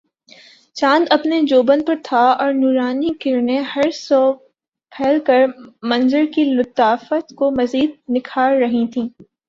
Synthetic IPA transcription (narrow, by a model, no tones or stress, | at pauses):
t͡ʃãːnd̪ɐpned͡ʒoːbənpɐɾt̪ʰaɔːɾnuːɾaːnikɪɾnehɐɾsɔː | pʰɛːlkɐɾmɐ̃nzəɾkilʊt̪aːfət̪komɐziːd̪̚nɪkʰaːlɾɐɦĩt̪ʰĩː